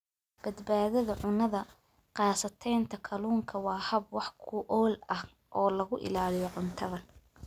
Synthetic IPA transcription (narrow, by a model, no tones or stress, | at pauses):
b̥ɐd̪baːðɐðɐʕʊnɐðɐ | qɑːsɐt̪ʰɛjnt̪ʰɐkʰɐluːŋkʰɐwɑːhɐbwɑħkʰʊʔɔːlɐh | ʔɔːlɐɣʊʔɪ̰laːlɪjɔʕʊnt̪ʰɐðɐ